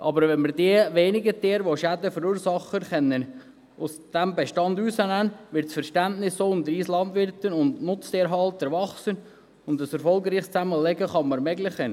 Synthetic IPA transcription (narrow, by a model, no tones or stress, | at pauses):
ʔɑːbəɾʋɛnməɾdiəʋeːnɪɡəteːɾʋoʃædəfəɾuːɾsɑχənχɛnːən | ʔʊsd̥æmbɛʃtɑnduːsənænʋɪɾtsfəɾʃtæntnɪsːoːʊnd̪əɾiːslɑndʋɪɾtənʊndnʊt͡steːɾɦɑlˠtəɾʋɑχsən | ʊndəsɛɾfɔlˠɡɾiːχst͡sæməlɛɡəχɑməɾmɛɡlɪχən